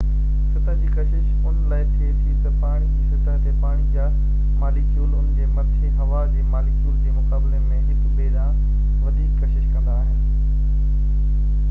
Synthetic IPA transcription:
sɪt̪ə̃d͡ʑiːkɐʃɪʃ | ʊnlaːɪt̪ʰiet̪ʰit̪ɐpaːɽ̃id͡ʑiːsɪt̪ə̃t̪epaːɽ̃ijaː | maːlɪksuːlʊnd͡ʑeːmɐt̪ʰeɦɐʋad͡ʑeːmaːlɪksuːld͡ʑeːmʊkaːblemẽɦɪkbeːɗã | ʋɐd̪ʱiːkːɐʃɪʃkɐ̃nd̪aːɦɪnɪ̆

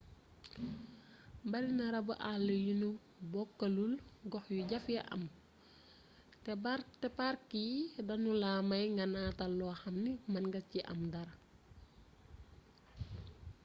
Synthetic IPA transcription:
mbɐɾinɐɾɐbuʔalːɐjunu | bɔkːɐlulɡɔxjuɟɐfjɐʔɐ̰m | tɛtɛpaɾkːidɐnulaːmɐjŋɡɐnatɐlɔːxɐmnimɐnɡɐciʔɐ̰mdɐɾ

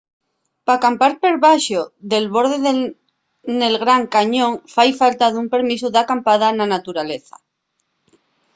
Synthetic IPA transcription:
pakampaɾpe̞ɾβaʃoðe̞lβo̞ɾð̞eð | ne̞lɣɾaŋkaɲõŋfajfalt̪aðumpe̞ɾmisuðakampað̞ananat̪uɾaleθa̰

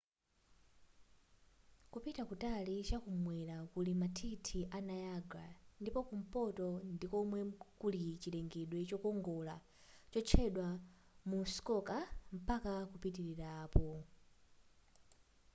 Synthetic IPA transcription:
kupitakutalit͡ʃakumwɛɾakulimatʰitʰiʔanajaɡa̰ndipɔkum̩pɔtɔndikɔmwɛkulit͡ʃilɛŋɡɛɗwɛt͡ʃɔkɔŋɡɔla | t͡ʃɔt͡ʃʰɛɗwa | muskɔkam̩pakakupitiɾiɾaːpɔ

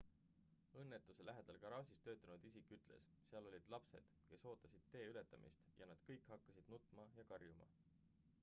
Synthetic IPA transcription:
ɤnːet̪ːˑuse̞lʔæɦe̞d̪̥ɑlkɑɾɑːsʲist̪ø̞ːt̪ːˑɑnud̪isikːˑyt̪ˑle̞̰s | seɑlo̞lʲid̪̥lɑpse̞̰d̪̥ke̞so̞ːt̪ːˑɑsid̪̥̚t̪ːe̞ːyle̞t̪ːˑɑmḭst̪jɑ̰nɑd̪̥kɤjkhɑkːɑsid̪̥nut̪ːˑmɑjɑkɑrjumɑ̰

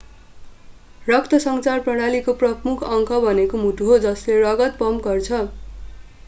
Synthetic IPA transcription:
rʌkt̪ʰʌsʌŋt͡sarprʌɽ̃alikoprʌmukʰʌŋkʰʌbʱʌnekomuʈuɦod͡zʌslerʌɡʌt̪̚pʌmɡʌrt͡sʰʌ

